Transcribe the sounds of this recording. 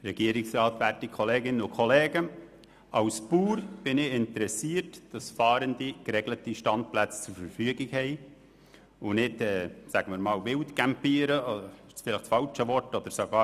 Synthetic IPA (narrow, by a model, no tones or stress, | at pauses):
ɾɛɡ̥iəɾɪksɾɑːtʋærtikχɔleːɡɪnənʊkʰɔlɛːɡə | ɑwspuːɾb̥ɪnɪɪntəɾɛsiːrtd̥ɑsfɑːɾəndikɾɛɡlətiʃtɑnt̚plæt͡st͡suɾfəɾfyəɡɪkhɛɪ | ʊnɪtɛːsæɡəmɪːɾmɑːlʋɪltkæmpiːɾəɪʃsfɪlɪχtt͡sfɑlt͡ʃəʋɔɾtɔd̥̪əɾsoɡɑː